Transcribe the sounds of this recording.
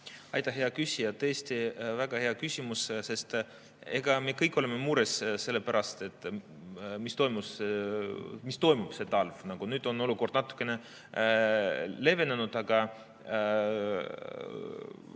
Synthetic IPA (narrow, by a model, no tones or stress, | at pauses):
ɑjt̪ɑɦe̞ɑkysʲijɑt̪eːsʲt̪ivæɡ̥ɑhe̞ɑkysʲimusse̞st̪ | e̞ɡ̥ɑmekɤjkːˑo̞lemːemuːɾesse̞lːepæɾʔɑst̪e̞t̪ːˑ | mist̪o̞jmuse | mist̪o̞jmub̥se̞t̪ɑlvnɑɡ̥unyːd̪̥o̞no̞luko̞rd̪̥nɑt̪ːˑu̥kːˑe̞ne̞ | le̞ve̞nenud̪̥ɑɡɑ